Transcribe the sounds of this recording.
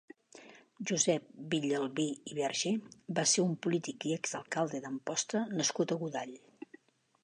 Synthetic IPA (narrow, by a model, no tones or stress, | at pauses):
ʒuzɛp̚biʎəlˠβiiβɛɾʒebaseumpulit̪ikiɛkzd̪əlˠkalˠd̪eðəmpɔst̪ənəskut̪əɣuðaʎ